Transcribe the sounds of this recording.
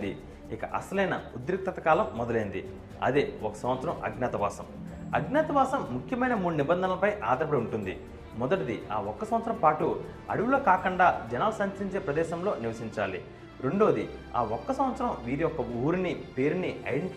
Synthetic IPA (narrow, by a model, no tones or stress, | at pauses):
d̪i | ikɐʔɐ̰sɐlɐjnɐud̪ɾik̚t̪ɐt̪ɐkaːlɐmːɔd̪ɐleːnd̪i | ɐ̰d̪eːɔkɐ̥sɐmʋɐt̪sɐɾɐmɐ̰ɡnaːt̪ɐʋaːsɐmɐɡnʲaːt̪ɐʋaːsɐmːukʰjɐmɐjnɐmuːɽunibɐnd̪ʱɐnɐlɐpɐjʔaːd̪ɐɾɐpɐɽɐuɳʈund̪i | mɔd̪ɐʈɐd̪ia̰ːɔkːɐsɐ̃mʋɐt̪sɐɾɐmpaːʈu | ɐ̰ɽuʋulo̞ːkaːkuɳɖaːd͡ʒɐnaːlusɐɲt͡ʃɐiɲt͡ʃe̞ːpɾɐd̪ɛːʃɐmlo̞ːniʋɐsiɲt͡ʃaːlḭ | ɾeɳɖo̞ːd̪i | a̰ːɔkːɐsɐmʋɐt̪sɐɾɐmʋiːɾiɔkːɐuːɾnipeːɾuniɐ̰j